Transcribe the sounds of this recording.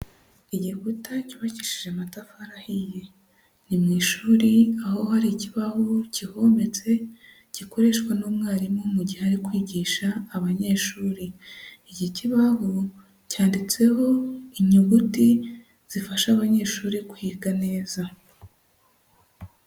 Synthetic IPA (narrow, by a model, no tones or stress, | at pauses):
iɟikutacuβaci̥ʃiʒematafahaɾahije̞ | nimŋiːʃuːɾiaho̞haɾiciβahociho̞me̞t͡se̞ | ɟ̥iko̞ɾe̞ʃkwanuːmŋaːɾimŋomuɟiheaɾikwiːɟiːʃaːβaɲe̞ːʃuːɾiiɟiciβaho | caːndit͡se̞ɦo̞iɲuɡuti | z̥ifaʃaːβaɲe̞ːʃuːɾiku̥hiːɾɡane̞ːza